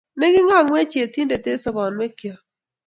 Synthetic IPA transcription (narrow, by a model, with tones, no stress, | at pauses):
ne˦ɡɪ˦ŋɔ˦˨ŋwɛ˦t͡ʃe˨ti˦nde˨te˦sɔ˦bɔ˨nmɛ˦kja˨